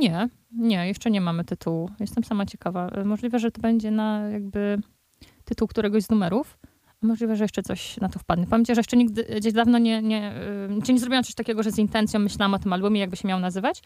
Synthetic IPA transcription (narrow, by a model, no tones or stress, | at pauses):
ɲɛ | ɲɛjɛʂt͡ʂɛɲɛmamɘt̪ɘt̪ʰuwujɛst̪ɛmsamat͡ɕɛkavamɔʐlʲivɛʐɛt̪ɔbɛɲd͡ʑɛnajaɡ̚bɘ | t̪ɘt̪uwkt̪uɾɛɡɔʑznumɛɾuf | amɔʐlʲivɛʐɛjɛʂt͡ʂɛt̪sɔ̰ɕnat̪ɔfpad̪ɲɛpamʲeɲtt͡ɕaʐɛjɛʂt͡ʂɛɲiɡd̪ɘɡd͡ʑeʑd̪avnɔɲɛɲɛʈ͡ʂɘɲɛzɾɔbʲiwãmt̪ɔɕt̪akʲɛɡɔʐɛzint̪ɛnt̪sjɔ̃w̃ːɘɕlawamɔt̪ɘmalbumʲɛjaɡbɘɕɛmʲawnazɘvat͡ɕ